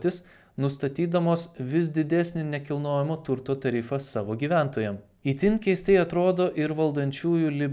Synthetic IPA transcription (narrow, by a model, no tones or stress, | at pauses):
t̪ʲɪs | nʊst̪ɐt̪ʲiːd̪ɐmoːsʋʲɪsd̪ʲɪd̪ʲɛsʲnʲɪnʲɛkʲɪlˠnoːjɛmoːt̪ʊɾt̪oːt̪ɐɾʲɪfɐsɑːʋoːɡʲiːʋʲæˑnt̪oːjɛm | iːt̪ʲɪnʲkʲɛɪsʲt̪ʲɛɪɐt̪ɾoːd̪oːʔɪɾʋɐlˠd̪ɐnʲt͡ʃʲuːjuːlʲɪbʲ